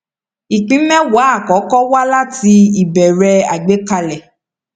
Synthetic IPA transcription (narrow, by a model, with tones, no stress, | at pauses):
i˨k͡pĩ˨˦mɛ̃˦wa˨˦a˦˨kɔ˨˦kɔ˦wa˦la˦ti˧i˨bɛ˨ɾɛ˧a˨ɡ͡be˨˦ka˧lɛ˨